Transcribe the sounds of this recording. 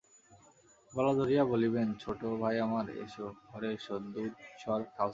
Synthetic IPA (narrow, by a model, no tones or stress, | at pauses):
bɔlad̪ʱoɾijaboliβent͡ɕʰoʈobʱajamaɾḛʃooɾeʃod̪uʃʰɔaɾk̪ʰa